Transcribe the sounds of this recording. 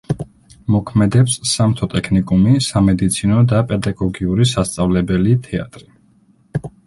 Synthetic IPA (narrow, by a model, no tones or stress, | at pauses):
mɔkʰmɛd̪ɛpsːamt̪ʰɔt̪ʼɛkʰnikʼumisamɛd̪it̪sʰinɔd̪apʼɛd̪aɡɔɡiuɾisast̪sʼavlɛbɛlit̪ʰɛa̰t̪ʼɾi